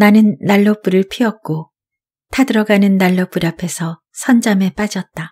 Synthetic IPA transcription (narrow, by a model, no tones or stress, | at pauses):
nanɯnːaɭːop͈uɾɯɭpʰiʌk̚k͈o | tʰadɯɾʌɡanɯnːaɭːop͈uɾapʰe̞sʰʌ | sʰʌnd͡ʑame̞p͈ad͡ʑʌt̚t͈a